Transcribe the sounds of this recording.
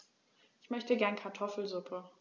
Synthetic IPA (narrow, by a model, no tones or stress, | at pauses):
ʔɪçmœçtəɡɛɐnkʰaɐtʰɔfl̩zʊpʰə